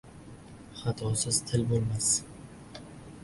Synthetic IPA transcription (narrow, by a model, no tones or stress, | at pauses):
χat̪ʰɒsɪzt̪ʰɪlbolˠmas